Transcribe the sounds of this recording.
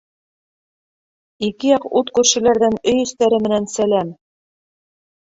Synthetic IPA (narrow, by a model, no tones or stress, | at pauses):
ikɘjɑqut̪kʉɾʃɘ̆læɾðænɵjɵ̆st̪æɾɘmɘ̆nænsælæm